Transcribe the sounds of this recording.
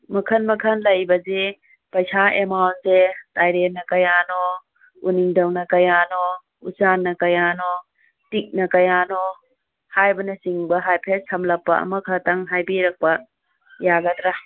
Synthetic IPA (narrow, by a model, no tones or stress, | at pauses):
mɐkʰɐnmɐkʰɐnlɐjbɐze | pɐjsaemawnsetajɾeɾnɐkɐjano | uniŋdɐwnɐkɐjanɔ | usanːɐkɐjanɔ | tik̚nɐkɐjanɔ | hajbɐnɐsiŋbɐɦajpʰesʰɐmlɐpːɐ̰ɐ̰mɐkʰɐtɐŋɦajbiɾɐk̚pɐ | jaɡɐtɾa